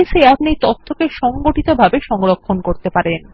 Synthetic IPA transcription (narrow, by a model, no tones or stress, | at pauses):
eseapnit̪ɔt̪ʰːokeʃɔŋɡoʈit̪obʱabeʃɔŋɾokʰːonkoɾt̪epaɾen